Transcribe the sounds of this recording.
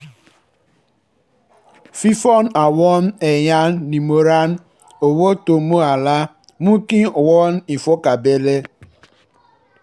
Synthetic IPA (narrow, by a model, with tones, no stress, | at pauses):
fi˦fɔ˦na˨wɔ˦n˦e˨ja˦nːi˨mo˨ɾa˦n | o˨wo˦to˨mo˦a˨la˦ | mu˦ki˦˨wɔ˦n˦i˨fo˦ka˨be˦le˦